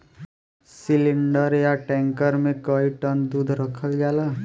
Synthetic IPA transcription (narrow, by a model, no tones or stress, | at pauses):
siliɳɖʌɾjaʈɛŋkəɾmekɔiʈʌnd̪ud̪ʱɾʌkʰəlɡalʌ